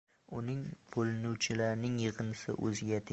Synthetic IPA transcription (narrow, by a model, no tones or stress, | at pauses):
ʊnɪŋb̥olˠɪnuwt͡ʃʰɪlaɾnɪŋjɨʁɨnsɪ̰ʔɵzɪɡʲat̪ʰ